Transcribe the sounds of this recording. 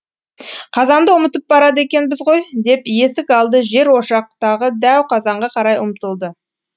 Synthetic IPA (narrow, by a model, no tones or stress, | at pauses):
qʰɑzɑnd̪əʊmət̪əp̚bɑɾɑd̪əe̞kʲe̞nbɪzʁo̞jd̪e̞pje̞sɪkɑlˠd̪əʒe̞ɾwo̞ʃɑq̚t̪ɑʁəd̪æwqʰɑzɑɴʁɑqʰɑɾɑjʊmt̪əlˠd̪ə